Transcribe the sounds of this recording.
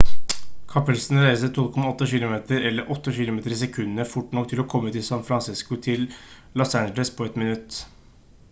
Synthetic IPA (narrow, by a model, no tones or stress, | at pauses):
kʰɑpəlsnɾæɪsət̪ʰɔlkʰɔmɑɔt̪ːəçɪlʊmeːt̪ʰəɾɛlːəɾʔɔt̪ːəçɪlʊmeːt̪əɾɪs̬ɛkʰʉnːnəfʊʈːɳɔk̚t̪ʰɪlɔkʰɔmːət̪ʰɪlsɑnfɾɑnsɪskʊt̪ʰɪl | lɔsænd͡ʒələspʰoɛt̪mɪnʉt̪ː